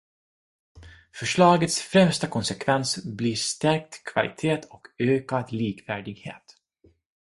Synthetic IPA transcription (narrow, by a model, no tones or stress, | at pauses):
fœʂɭɑːɡət̪sfɾɛmst̪akʰɔnsɛkʰvɛnsbliʂt̪æɾk̚t̪kʰva̰lʔɪ̰t̪ʰeːt̪ʰɔkøːkad̪liːkvæːɖɪɡhḛːt̪